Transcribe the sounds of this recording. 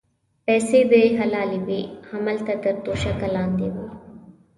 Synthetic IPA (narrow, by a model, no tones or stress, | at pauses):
pɛːsebeːɦɐlaːliʋiːhɐməlt̪ɐt̪əɾt̪oːʃɐkɐlãːnd̪eːʋi